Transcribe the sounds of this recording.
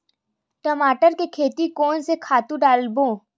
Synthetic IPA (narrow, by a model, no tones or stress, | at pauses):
ʈəmaːʈəɾkekʰeːt̪ikɔːnsekʰaːt̪ũɖaːlbõː